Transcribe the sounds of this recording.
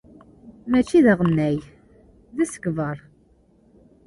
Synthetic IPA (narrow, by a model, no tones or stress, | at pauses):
mæt͡ʃːiðəʁənːæj | ðæsə̥ɡvəɾˤ